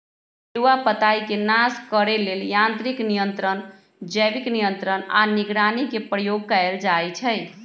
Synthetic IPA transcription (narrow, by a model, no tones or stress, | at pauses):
uwapət̪aikenaskəɾeleljãnt̪ɾiknijənt̪ɾən | d͡ʒəjbiknijənt̪ɾəna̰niɡɾanikepɾəjoɡ̚kaeld͡ʒajt͡ʃʰəj